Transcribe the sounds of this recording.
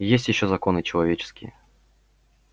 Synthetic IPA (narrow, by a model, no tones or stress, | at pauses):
jesʲtʲjɪɕːozɐko̞nɨt͡ɕɪlˠɐvʲet͡ɕɪ̥skʲɪjə